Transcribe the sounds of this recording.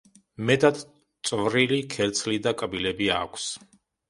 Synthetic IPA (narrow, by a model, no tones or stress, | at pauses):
mɛt̪ʼad̪ | t̪sʼvɾilikʰɛɾt̪sʰlid̪akʼbilɛbia̰kʷʰs